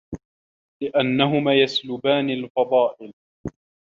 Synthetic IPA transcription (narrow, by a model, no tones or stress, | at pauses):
lɪʔanːaɦʊmaːjaslʊbaːnɪlfɑd̪ˤɑːʔɪl